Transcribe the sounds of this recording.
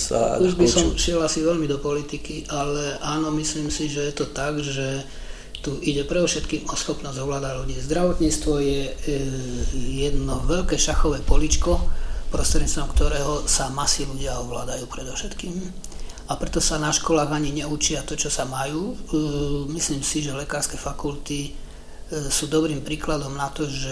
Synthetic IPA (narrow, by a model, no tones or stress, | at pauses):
a̰uʒbisɔmʃɪɛlasiʋɛʎmid̪ɔpɔlit̪ikiʔalɛʔaːnɔmisliːmsiʒɛjɛt̪ɔt̪aɡʒɛ | t̪uʔiɟɛpɾɛd̪ɔʊʃɛt̪kiːmɔsxɔpnɔzɟɔʋlaːd̪aɟluɟiːzd̪ɾaʋɔt̪ɲiːt͡st̪ʋɔjɛ | jɛd̪nɔʋɛʎkɛːʃaxɔʋɛːpɔlit͡ʃkɔpɾɔst̪ɾɛɲit͡sst̪ɔmkt̪ɔɾɛːɦɔsamasiluɟɪaɔʋlaːd̪ajuːpɾɛd̪ɔʊʃɛt̪kiːm | apɾɛt̪ɔsanaʃkɔlaːɣaɲiɲɛut͡ʃɪat̪ɔt͡ʃɔsamajuː | misliːmsiʒɛlɛkaːɾskɛːfakult̪i | suːd̪ɔbɾiːmpɾiːklad̪ɔmnat̪ɔʒɛ